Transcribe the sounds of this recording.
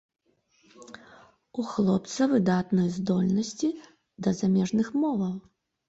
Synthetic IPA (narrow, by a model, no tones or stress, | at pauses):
uxlˠɔp̚t̪sɐvɨd̪at̪nɐjzd̪ɔlʲnɐsʲt͡sʲi | d̪ɐzamʲɛʐnɨxmɔvɐw